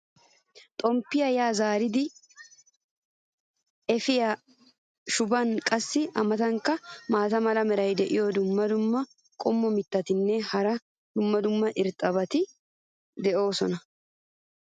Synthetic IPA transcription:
t̪ʼɔmpːɪjɐjaːzaːɾɪd̪ɪ | ɛfɪja | ʃʊbɐnkʼɐsːɪʔɐmɐt̪ɐŋkːɐmaːt̪ɐmɐlɐmɛɾɐjd̪ɛʔɪjɔd̪ʊmːɐd̪ʊmːɐ | kʼɔmːɔmɪt̪ːɐt̪ɪnːɛhɐɾɐ | d̪̥ʊmːɐd̪ʊmːɐʔɪɾt̪ʼːɐbɐt̪ɪ | d̪ɛʔo̞ːsɔnɐ

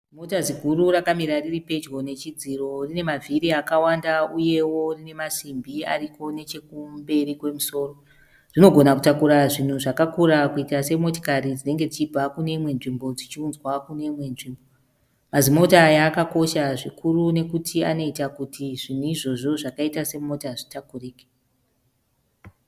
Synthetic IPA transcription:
zimotazikuɾurakamiɾariripe̞d͡ʒɡo̞ne̞t͡ʃid͡ziro̞rine̞mavʱiɾiakawandauje̞wo̞rine̞masimbia̰rikʰo̞ne̞t͡ʃe̞kumbe̞rikwe̞muso̞ːro | r̥ino̞ɡʱo̞naku̥takuɾaʐin̤uʐakakuɾakuitase̞mo̞to̥kaɾid͡zine̞ŋɡe̞d͡zit͡ʃib͡vakune̞imwe̞nʐimbo̞d͡zit͡ʃiunzwakune̞imwe̞nʐiːmbo̞ | mazimo̞tajaːkako̞ʃaʐikurune̞kutʰia̰no̞itakutʰiʐin̤uiʐo̞ʐo̞ʐakaitase̞mo̞taʐitakuriːke̥

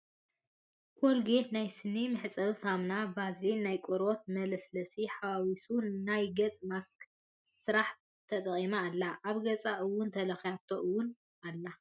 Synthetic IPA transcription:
kʰolɡenajsɨnimɨħɨt͡sʼɐβsamnabazinnajkʼoɾot̪̚mɐlɐslɐsiħawawisunajɡɐt͡sʼmask | sɨɾaħ | t̪ʰɐt̪ʼɐχʼimaːlːaʔaβɡɐt͡sʼaʔɨwːʊnt̪ʰɐlɐxjat̪ʰoʔɨwːʊn | ʔalːa

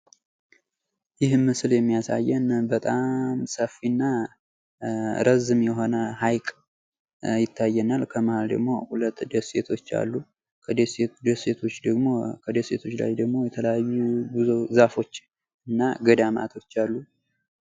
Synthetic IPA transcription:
jɪhmɨsɨljɛmːijasa̰jːɛnbət̪ʼamsəfinːa | ɾəzɨmjɛɦo̞nəhajkʼ | jɪt̪ʰːajːɛnalkʰəməhald̪ə̰ɡmo̞̰hulət̪ːd̪əse̞t̪ʰo̞t͡ʃːa̰lːu | kʰəd̪esed̪ese̞t̪ʰo̞t͡ʃːd̪əɡmo̞kʰəd̪əse̞t̪ʰo̞t͡ʃːla̰jd̪əɡmo̞jɛt̪ʰələjajːubɨzozafo̞t͡ʃː | ɨnːaɡəd̪ama̰t̪ʰo̞t͡ʃːalːu

